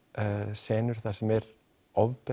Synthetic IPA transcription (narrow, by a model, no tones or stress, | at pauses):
sɛːnʏɾ̥θasɛmɛɾ | ɔvpɛ